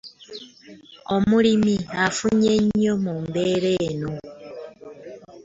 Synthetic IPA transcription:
omulimiafuɲeɲːomumbeɾeːno

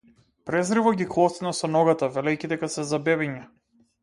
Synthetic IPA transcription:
pɾɛzɾivɔɡʲiklˠɔst̪nasɔnɔɡat̪avɛlɛjcʲid̪ɛkasɛzabɛβɛɲa

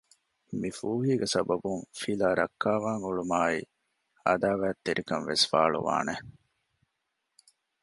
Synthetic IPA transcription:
mifuːɦiːɡesɐbɐbuŋfilaːɾɐkːaːʋaːŋuɭumaːi | ɐd̪aːʋæːt̪ːeɾʔikɐnʋesfa̰ːɭṵʋa̰ːne

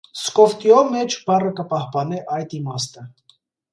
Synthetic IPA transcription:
skɔft̪jɔmɛt͡ʃʰbɑrəkəpɑhpɑnɛʔɑjd̪imɑst̪ə

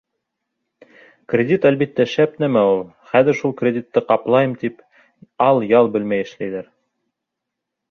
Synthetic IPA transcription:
krʲed̪ʲit̪ælβit̪ːæʃæpnæmæulˠ | χæðɘ̆ɾʃulˠkrʲedʲit̪ːɤqɑplˠɑjɤmt̪ip | ɑlˠjɑlˠbɘ̆lmæjɘ̆ʃlæjðæɾ

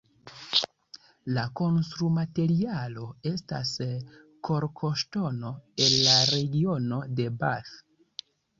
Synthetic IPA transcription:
lako̞nstɾumate̞ɾialo̞e̞sta̰s | kʰo̞ɾkʰo̞ʃto̞no̞e̞nlaɾe̞ɡio̞no̞de̞bas

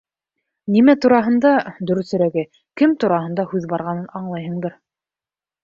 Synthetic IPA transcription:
nimæt̪uɾɑɦɤ̆nd̪ɑd̪ɵ̆ɾɵ̆θɵ̆ɾæɡɘ | kɘmt̪uɾɑɦɤ̆nd̪ɑhʉðbɑɾʁɑnɤnɑɴlˠɑjɦɤ̆ɴd̪ɤɾ

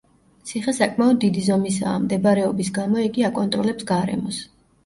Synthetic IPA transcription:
t̪sʰiχɛsakʼmaɔd̪ːid̪izɔmisa̰ːmd̪ɛbaɾɛɔbisɡamɔɛɡiakʼɔnt̪ʼɾɔlɛpsɡaɾɛ̰mɔs

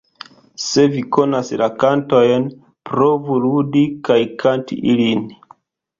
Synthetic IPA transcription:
se̞viko̞naslakanto̞jn | pɾo̞vuludikajkʰantḭʔilin

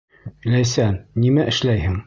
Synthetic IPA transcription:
læjsænːimæʔɘ̆ʃlæjhɘŋ

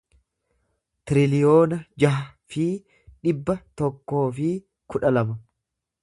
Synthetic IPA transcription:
t̪ɪɾɪlɪjo̞ːnɐd͡ʒɐɦɐ | fɪ | ᶑɪbːɐt̪ɔkːo̞ːfɪ | kʊᶑɐlɐmɐ

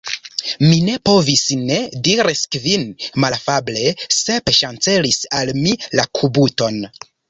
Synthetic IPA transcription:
mine̞po̞visne̞diɾiskvinmalafable̞se̞pʃant͡se̞lisalmilakʰubuto̞n

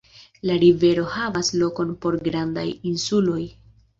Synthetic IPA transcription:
laɾive̞ɾo̞havaslo̞ko̞npo̞ɾɡɾandajinsulo̞j

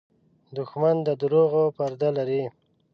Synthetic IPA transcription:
d̪ʊxmand̪əd̪ʊɾoɣopaɾd̪alaɾi

